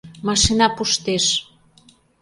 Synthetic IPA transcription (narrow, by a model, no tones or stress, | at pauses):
mɑʃinɑpuʃt̪eʃ